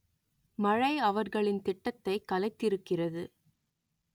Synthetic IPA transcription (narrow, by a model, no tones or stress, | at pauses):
mɐɻɐɪɐʋɐɾɣɐɭɪnt̪ɪʈːɐt̪ːɐɪkːɐlɐɪt̪ːɪɾɯkːɪrɐðɯ